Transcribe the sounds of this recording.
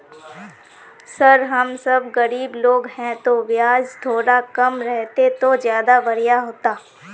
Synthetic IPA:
sɐɾɦɐmsɐbɣɐɾiːbloːɡɦɛ̃t̪oʋjaːd͡ʒt̪ʰoːɽakɐmɾɛɦt̪et̪ozjaːd̪abɐɾijaɦoːt̪aː

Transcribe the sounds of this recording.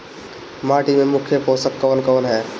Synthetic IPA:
maʈimemʊkʰjəposəkːəʋənkəʋənɦɛː

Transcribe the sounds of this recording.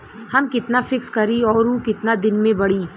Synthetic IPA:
hɐmkɪt̪nafɪkskɐɾiɔːɾũkɪt̪nad̪ɪnmẽbɐɽiː

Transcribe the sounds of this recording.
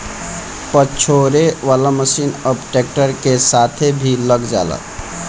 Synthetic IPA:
pət͡ʃʰoɾeʋalaməsiːnəbʈek̚ʈəɾkesat̪ʰebʱiləɡd͡ʒa̰lə̰

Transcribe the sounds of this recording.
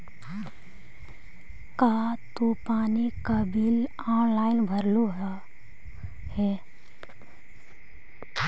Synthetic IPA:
kat̪upaːnikabɪl | ɔːnlaːɪnbʱəɾluɦa | hɛ

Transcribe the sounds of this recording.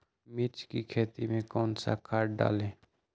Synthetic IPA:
mɪɾt͡ʃkikʰeːt̪imẽkɔːnsa̰kaːʈ̚ɖa̰ːlẽː

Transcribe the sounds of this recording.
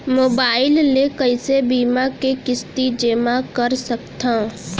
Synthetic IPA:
moːbaːɪlnekəɪsebiːmakekɪst̪id͡ʒeːmakɐɾsɐkt̪ã

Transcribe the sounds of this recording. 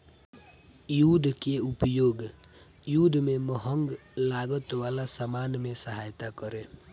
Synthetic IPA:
jud̪keupjoɡ | jud̪mẽmɔɦɔŋɡlaɡɔt̪walasamanmesaɦajt̪akɔɾe

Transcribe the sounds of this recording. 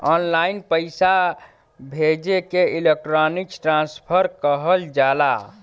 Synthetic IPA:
ɔnlainpəɪsa | bʱed͡ʒekeilek̚ʈɾɔniksʈɾãnspʰəɾkəɦəld͡ʒala

